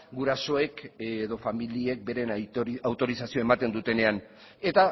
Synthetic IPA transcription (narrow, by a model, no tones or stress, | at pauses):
ɡuɾaso̞e̞kːðo̞familie̞k̚be̞ɾe̞nawt̪o̞ɾisasioe̞mat̪e̞nd̪ut̪e̞ne̞an | e̞t̪a